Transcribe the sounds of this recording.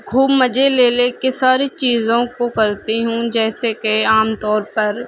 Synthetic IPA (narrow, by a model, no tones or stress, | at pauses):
kʰuːbmɐd͡ʒʱeleːleːkesaːɾit͡ʃiːzõkokɐɾt̪iɦũd͡ʒɛːsekeaːmt̪ɔːɾpɐɾ